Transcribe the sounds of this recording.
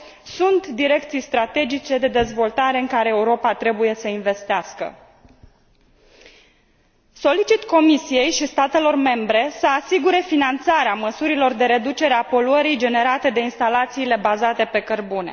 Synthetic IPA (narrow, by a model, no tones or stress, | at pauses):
sunt̪d̪iɾe̞k̚t̪sijst̪ɾat̪e̞d͡ʒit͡ʃe̞d̪e̞d̪e̞zvo̞lt̪aɾe̞ɨŋkaɾeːuɾo̞pat̪ɾe̞buje̞səinve̞st̪easkə̰ | so̞lit͡ʃit̪ko̞misije̞jʃist̪at̪e̞lo̞rme̞mbɾe̞səasiɡuɾe̞finant̪saɾeaməsuɾilo̞rd̪eɾe̞d̪ut͡ʃe̞ɾeapo̞luəɾid͡ʒe̞ne̞ɾat̪e̞d̪e̞inst̪alat̪siːle̞bazat̪e̞pe̞kərbunḛ